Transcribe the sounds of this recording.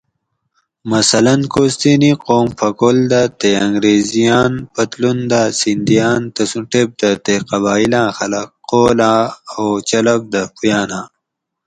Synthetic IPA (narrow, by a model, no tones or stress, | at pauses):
mɐsɐlɐnkoːst̪iniqoːmpʰɐkold̪at̪eɐŋɡɾeːzijaːnpɐt̪lund̪aːsind̪ijaːnt̪ɐsuʈeb̚d̪ɐt̪eqɐβaːilãːxɐlɐqːoːlãːowt͡ɕɐlɐb̚d̪ɐpujaːnãː